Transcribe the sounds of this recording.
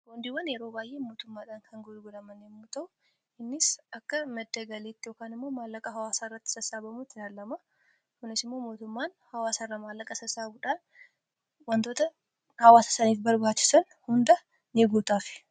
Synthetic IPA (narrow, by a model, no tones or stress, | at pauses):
kond̪iwɐnjɛɾo̞ːbaːjʔeːmoːt̪ʊmːaːᶑaːŋkʰɐŋɡʊɡʊlɐmɐnːɪmːuːt̪ɐʔʊ | ɪnːɪsɐkːɐmɛd̪ːɐɡɐleːt̪ːɪjoːkaːnɪmːo̞ːmaːlːɐkʼɐɦɐwaːsaɪrːɐt̪ːɪ̥sɐsaːbɐmut̪ːɪlaːlːɐmɐ | kʊnɪsɪmːo̞ːmo̞ːt̪ʊmːaːnhɐwaːsɐɪrːɐmaːlːɐkʼɐsɐsaːbʊᶑaːn | wɐnt̪o̞ːt̪ɐ | hɐwaːsɐ̥sɐniːfbɐɾbaːt͡ʃːɪ̥sɐn | hʊnd̪ɐ | nɪɡuːt̪aːfɪ̥